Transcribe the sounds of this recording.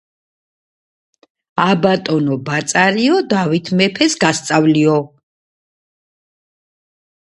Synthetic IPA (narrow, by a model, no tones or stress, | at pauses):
abat̪ʼɔnɔbat̪sʼaɾiɔd̪avit̪ʰmɛpʰɛsɡast̪sʼavliɔ